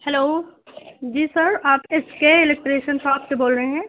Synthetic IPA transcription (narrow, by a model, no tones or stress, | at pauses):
hɛloː | d͡ʒiːsɐɾaːpɪskeɪlɪk̚ʈɾeːʃənsɔːtseboːlɾəɦeɦɛ̃ː